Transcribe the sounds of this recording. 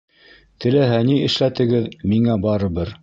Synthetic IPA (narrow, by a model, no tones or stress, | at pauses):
t̪ʰɘ̆læɦæniɘ̆ʃlæt̪ɘ̆ɡɘðmiŋæbɑɾɤ̆βɤɾ